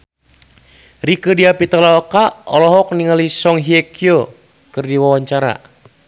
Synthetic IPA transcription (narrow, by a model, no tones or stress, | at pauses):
rikədiapit̪alaɔkaɔlɔɦɔk̚niŋalisɔŋɦiɛkʰio | kɨrdiwawaɲt͡ʃaɾa̰